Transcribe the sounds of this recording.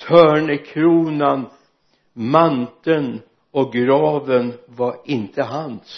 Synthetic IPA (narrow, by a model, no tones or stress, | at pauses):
t̪ʰœːɳəkʰɾuːnan | mant̪ən | ɔɡɾɑːvənvaɾɪnt̪ʰəɦans